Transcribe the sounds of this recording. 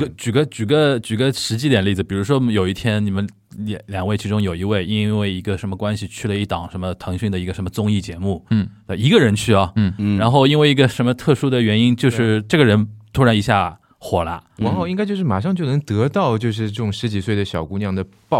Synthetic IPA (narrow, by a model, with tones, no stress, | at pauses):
t͡ɕy˨˩ɡə˦t͡ɕy˨˩ɡə˦t͡ɕy˨˩ɡə˦ʂɻ̩˧˥t͡ɕi˥d̪jɛ˨˩nli˥˩d͡zɹ̩˩pi˨˩ɻu˧˥ʂwɔ˥jo˨˩ʊi˥˩t̪ʰjɛ˥nni˨˩mə˧˦n˧˩ | ljɑ˨˩ŋwe˥˩ɪt͡ɕʰi˧˥ʈ͡ʂʊ˥ŋjo˨˩ʊi˧˥we˥˩ɪʔi˥nwe˥˩ɪi˧˥ɡə˧ʂə˧˥nmə˧kwa˥nɕi˨t͡ɕʰy˥˩lə˩i˥˩t̪ɑ˨˩˦ŋʂə˧˥nmə˧t̪ʰɤ˧˥ŋɕy˥˩nd̪ə˩i˧˥ɡə˧ʂə˧˥mə˧t͡sʊ˥ŋi˥˩t͡ɕjɛ˧˥mu˥˩a˥˧i˧˥ɡə˧ɻə˧˥nt͡ɕʰy˥˩ɐ˩ɻa˧˥nxo˥˩ʊi˥nwe˥˩ɪi˧˥ɡə˧ʂə˧˥nmə˧t̪ʰɤ˥˩ʂu˥d̪ə˨ɥɛ˧˥ni˥nt͡ɕjo˥˧ʊʂɻ̩˥˧ʈ͡ʂɤ˥˩ɡə˩ɻə˧˥nt̪ʰu˥ɻa˧˥i˧˥ɕja˥˩ | xwɔ˨˩lɐ̰˧˦wa˧˥xo˥˧ʊi˥ŋa˥ɪt͡ɕjʊʂɻ̩˥˩ma̰˨˩ʂ̬ɑ˥˧ŋt͡ɕjo˥˩ʊnɤ˧˥ŋt̪ɤ˧˥t̪ɑ˥˧ʊt͡ɕjo˥˧ʂ̬ɻ̩˥˧ʈ͡ʂɤ˥˩ʈ͡ʂʊ˨˩ŋʂɻ̩˧˥t͡ɕi˨˩swe˥˩ɪd̪ə˩ɕjɑ˨˩ʊku˧˥njɑ˥˩ŋd̪ə˨ | pɑ˥˧